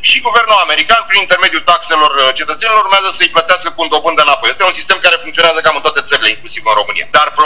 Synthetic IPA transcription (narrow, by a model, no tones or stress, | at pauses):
ʃiɡuve̞rnulame̞ɾikanpɾinint̪e̞rme̞d̪jut̪akse̞lo̞rt͡ʃe̞t̪ət̪se̞niloɾuɾmeazəsəɨjplət̪easkəkuund̪o̞bɨnd̪enapo̞jest̪eunsist̪e̞mkaɾe̞fuŋkt̪sioneazəkamɨnt̪oat̪e̞t̪səɾileiŋklusivɨnro̞mɨnḭa̰d̪arp